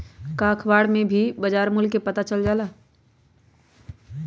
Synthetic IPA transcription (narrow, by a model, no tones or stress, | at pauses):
kaːkʰbaːɽmẽbʱibəd͡ʒaːɾmʊlkepɐt̪at͡ʃəld͡ʒaːlaː